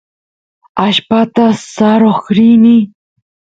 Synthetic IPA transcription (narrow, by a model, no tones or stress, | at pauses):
aʃpat̪asaɾoχɾini